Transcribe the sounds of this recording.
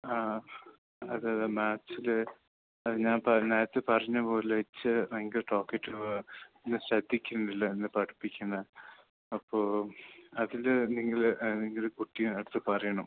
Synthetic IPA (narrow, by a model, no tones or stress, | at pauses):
aː | ɐðɨmaːt͡ɕːilɨ | ɐɲaːnpɐnaːjɐt̪ːɨpɐrɐɲːɐpo̞ːlʋɐt͡ɕːɨneŋɡilʈo̞ːkːɐʈːɨenːɨɕɐd̪ʱːikʲːunɖilːɐenːɨpɐɽipːikʲːunːɐ | ɐpːoːɐðilniŋːɐlniŋːɐlkuʈːijunɐɽɨt̪ːɨpɐrɐjɐɳɐm